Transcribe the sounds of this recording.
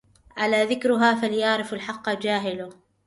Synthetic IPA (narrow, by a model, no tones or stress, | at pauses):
ʔalaːðɪkɾʊɦaːfaljɑʕɾɪfalħɑqːd͡ʒaːɦɪlʊ